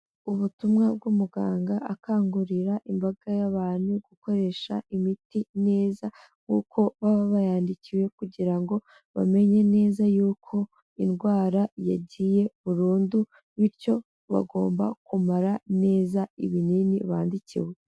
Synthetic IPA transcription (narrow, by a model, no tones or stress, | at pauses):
uβutumŋab̚ɡumuɡa̰ːŋɡaʔːkaːŋɡuɾiɾaʔimbaɡajaβaːnuɡ̥uko̞ɾe̞ʃa̰imitine̞ːza | ŋṵkʰo̞βaβaβajaːndiciwe̞kuɟiɾaŋɡo̞ | βa̰me̞ɲe̞ne̞ːzajuːkʰo̞ | inɡwaːɾaja̰ɟije̞βuɾuːndu | βiɾco̞ | βa̰ɡo̞̰ːmba̰kumaɾane̞ːzaiβininiβa̰ːndicḭwe